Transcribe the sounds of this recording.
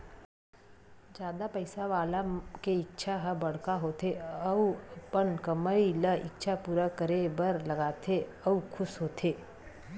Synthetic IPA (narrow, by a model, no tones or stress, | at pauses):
d͡ʒjaːd̪apɐɪsaʋaːlakeɪk̚t͡ʃʰaɦəbɐɽ̤kaɦoːt̪ʰeɐupənkəməɾiləʔɪ̰kt͡ʃʰapuːɾakəɾebəɾlɐɡaːt̪ʰe | ɐukʰʊsɦoːt̪ʰeː